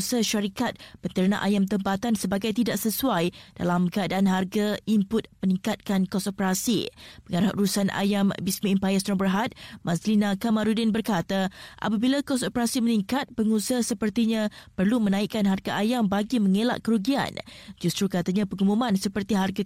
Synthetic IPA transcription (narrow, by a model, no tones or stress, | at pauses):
səhʃaɾikat̪̚pənt̪ərna̰ʔajamt̪əmpat̪ansəbaɡajt̪idaʔsəsuajd̥a̰lamkəadaʔanɦarɡaimpʊt̪̚mənĩŋkat̪̚kankɔsopəɾasḭpəŋaɾahʔɾusanʔa̰jambismĩːmpajast̪nɔbərɦat̪̚mãslinãkamaɾudɪnbərkat̪aʔa̰p̬abilakɔsopəɾasiməniŋkat̪̚pəŋusəhsəpərt̪iɲãpərlumənãiʔkanɦarɡaʔajambaɡimə̃ŋela̰ʔkəɾuɡia̰nd͡ʒust̪ɾukat̪aɲãpəŋumũmãnsəpərt̪iɦarɡa